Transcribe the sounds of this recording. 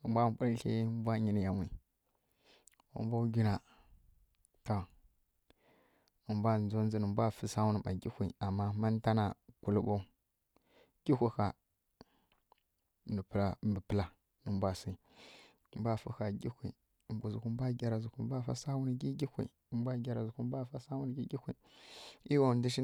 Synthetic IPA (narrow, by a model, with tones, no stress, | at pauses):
u˨mbʷa˦˨bu˦ɾɬḛ˦m˦bʷa˦ɲi˨ni˨ja˨wi˨ | ṵ˦mbʷa˦ɡʲi˦na˨ | to˨ | u˨mbʷa˦˨nd͡zo˦n˦zi˦nə˨bʷa˦˨fə˦sa˦wu˦nə˨ma̰˨ɡi˦kʷi˨a˨mːa˦ma˦n˦ta˦na˨ku˨lu˦bo˦ | ɡ̥ʲi˦kʷi˦˨ka˨ | nə˨pla˨mbə˨pə˦la˨ | nə˨mbʷa˦si˨ | m˦bʷa˦˨fə˦xa˨ɡi˦kʷḭ˨ | mbʷu˨zu˨ku˦bʷa˦ɡʲa˨ɾa˨zu˨kʷu˨˦bʷa˦˨fa̰˦sa˦wu˦n˨ɡi˦ɡi˦kʷḭ˨mbʷa˦ɡʲa˨ɾa˨zu˨kʷu˦bʷa˦˨fa˦sa˦wu˦n˦ɡi˦ɡʲi˦kʷi˨ | i˦wa˦˨ndi˦ʃi˦